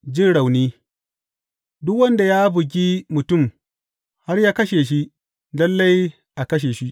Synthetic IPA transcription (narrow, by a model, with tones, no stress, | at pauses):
d͡ʒɪ˦˨nɽa˨wniː˦ | dʊ˦kwɐ˦nda˨jaː˦bʊ˨ɡ̬ʲiː˦mʊ˨tʊ˦˨m | ha˦rjaː˦kɐ˦ʃe˨ʃi˦ | lɐ˦lːɐ˦j | ʔa˨kɐ˦ʃ̬eː˨ʃi˦ʔ